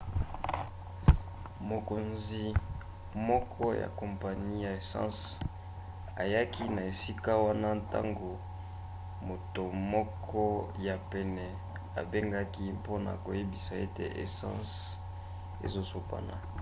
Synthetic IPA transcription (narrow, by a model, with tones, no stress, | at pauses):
mo˨ko˨nzi˨ | mɔ˦kʰɔ˦ja̰˨kɔ˨mpa˨ni˦ja˨e˨sɑ̰̃˦s | a̰˨ja˦ki˦na˨e˨si˦ka˦wa˦na˦nta̰˦ŋɡo˨ | mo˨to˨mɔ˦kʰɔ˦ja˨pɛ˨nɛ˨ | a̰˨be˦ŋɡa˦ki˦po˦na̰˨ko˨je˦bi˨sa˨e˦tḛ˨ʔḛ˨saɑ̰̃˦s | ḛ˨zo˦so˦pa̰˦na̰˨